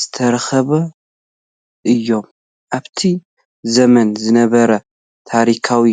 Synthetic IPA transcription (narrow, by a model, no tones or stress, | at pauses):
z̥ɨ̥t̪ʰɐɾxɐβɐ | ʔɨjːo̞m | ʔaβt̪ʰi | zɐmɐnzɨnɐβɐɾɐ | t̪ʰaɾikʰawi